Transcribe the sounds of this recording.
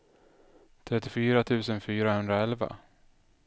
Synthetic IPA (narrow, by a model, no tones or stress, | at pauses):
t̪ʰɾɛt̪ːɪfyːɾat̪ʰʉ̟ːsənfyːɾahɵnd̪ɾaɛlva̰